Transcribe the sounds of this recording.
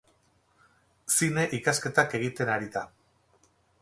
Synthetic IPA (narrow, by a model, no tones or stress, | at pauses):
sine̞ʔikaske̞t̪ake̞ɣ̞it̪e̞naɾiða